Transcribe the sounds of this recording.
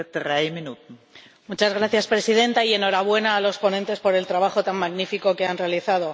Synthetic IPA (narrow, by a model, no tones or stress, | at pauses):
d̥ɾajminut̪n̩ | mut͡ʃazɣɾaθjaspɾe̞sið̞ẽ̞nt̪aie̞no̞ɾaβ̞we̞naːlo̞spo̞nent̪e̞spo̞ɾe̞lt̪ɾaβ̞axo̞t̪ammaɣnifiko̞keanre̞aliθaðo̞